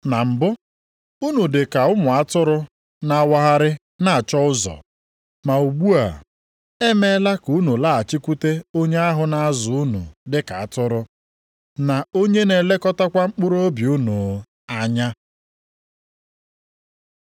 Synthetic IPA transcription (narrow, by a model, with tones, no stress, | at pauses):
na˨m̩˨bʊ˦ | u˦nu˨dɪ˨ka˨ʊ˦mʊ˨a˦tʊ˦ɾʊ˦ | na˨a˦wa˦ɦa˦ɾɪ˦ | na˦˨a˨t͡ʃɔ˦ʊ˦zɔ̰˨ | ma˨u˨ɡ͡bu˦a˨ | e˦me˦la˦ku˦nu˨la˦˨a˨t͡ʃi˦kʷu˦te˦o˦ɲe˦a˦ɦʊ˨na˨a˦zʊ˨ʊ˦nṵ˨dɪ˦ka˨a˦˨tʊ˦ɾʊ˦ | na˨o˦ɲe˦ne˨le˦kɔ˦ta˦kʷa˦ŋ͡m̩˦k͡pʊ˦ɾʊ˦o˦bju˦nu˨ | a˦ɲa˦